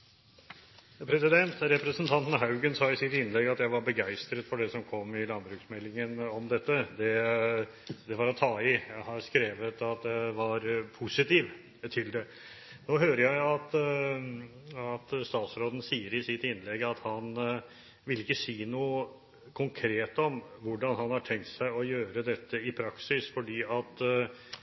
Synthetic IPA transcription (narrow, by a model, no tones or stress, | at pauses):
pʰɾɛsɪd̪ɛnt̪ɾɛpɾɛsənt̪ʰɑnt̪n̩ɦɑʉɡənsɑːɪsɪt̪ɪnːlɛɡɑt̪jæɪʋɑɾbəɡæɪst̪ɾət̪fɔɖɛsɔmkʰɔmːɪlɑnbɾʉksmɛlːɪŋənɔmd̪ɛt̪ːəd̪ɛ | d̪ɛʋɑɾɔt̪ʰɑːɪjæɪhɑɾskɾeːʋət̪ɑt̪̚d̪ɛʋɑɾpʰʊsɪt̪iːʋ | t̪ʰɪld̪ɛ | noːɦøːɾəjæɪɑt̪ | ɑt̪st̪ɑːt̪sɾoːd̪ən̩siːəɾɪsɪt̪ɪnːlɛɡɑt̪hɑn | ʋɪlːɪkːəsiːnuːə | kʰʊŋkʰɾeːt̪ɔmʋʊɖɑnhɑnhɑʈʰɛŋk̚t̪sæɪɔjøːɾəd̪ɛt̪ːəɪpʰɾɑksɪsfɔɖiːɑt̪